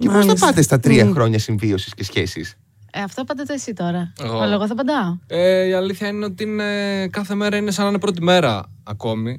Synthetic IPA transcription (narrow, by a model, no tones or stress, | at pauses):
cepoznɐpɐt̪est̪ɐt̪ɾiɐxɾo̞ɲɐsiɱvio̞si̥sce̞sçe̞sis | eɐft̪opɐnd̪ɐt̪eesit̪o̞ɾɐɣoɐlɐɣoθɐpɐd̪ɐoeiɐliθçɐine̞o̞t̪iine̞kɐθe̞me̞ɾɐine̞sɐnɐnepɾo̞t̪̬ime̞ɾɐ | ɐko̞mi